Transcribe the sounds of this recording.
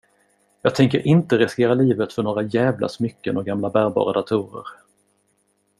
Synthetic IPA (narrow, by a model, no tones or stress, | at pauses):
jɑːɡ̚t̪ʰɛŋkəɾʔɪnt̪əɾɛskeːɾaliːvət̪fœɳoːɾajɛːvla̰smʏkːənɔɡamlabæːɾbɑ̰ːɾad̪at̪ʰuːɾə̰ɾ